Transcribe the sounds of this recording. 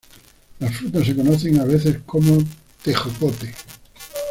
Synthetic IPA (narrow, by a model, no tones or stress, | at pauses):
lasfɾut̪asːe̞ko̞noθe̞ŋaβ̞eθe̞skʰo̞mo | t̪exokot̪e